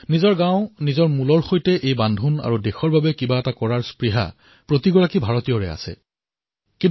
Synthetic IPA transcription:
nizɔɹɡãʊ̃nizɔɹmulɔɹxojtɛʔejbandʱuna̰ɹudexɔɹbabɛkibaɛtakɔɹaɹspɹiɦa̰ | pɹotiɡɔɹakibʱaɹɔtijɔɹɛ̰a̰sɛ̰ | kĩn

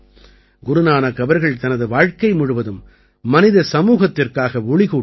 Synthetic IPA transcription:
ɡʊɾʊnaːnɐkɐbɐɾɣɐɭt̪ɐnɐðɯʋaːɻkɐɪmʊɻʊʋɐðɯmː | ɐnɪðɐsɐmuːɣɐt̪ːɪrkaːɣɐʊɭɪɣuː

